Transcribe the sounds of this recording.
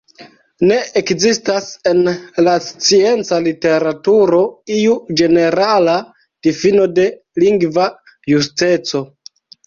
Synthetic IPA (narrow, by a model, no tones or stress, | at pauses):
ne̞ekzistase̞nlast͡sie̞nt͡salite̞ɾatuɾo̞iud͡ʒe̞ne̞ɾala | d̥ifino̞de̞ | liŋɡva | juste̞t͡so̞